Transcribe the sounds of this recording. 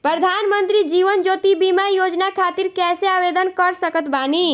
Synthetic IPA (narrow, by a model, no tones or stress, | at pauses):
pɾəd̪ʱaːnmənt̪ɾid͡ʒiːʋənd͡ʒoːt̪ibimajoːd͡ʒnakʰaːt̪iɾkɛːseaʋeːd̪ənkəɾsəkət̪baːni